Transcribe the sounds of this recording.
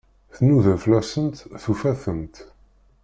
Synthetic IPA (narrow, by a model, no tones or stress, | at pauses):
θnuðənflæsənt̪θufæθənt̪